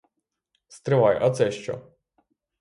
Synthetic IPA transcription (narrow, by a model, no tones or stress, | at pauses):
st̪ɾɪʋɑjʔɐt̪sɛʃt͡ʃɔ̰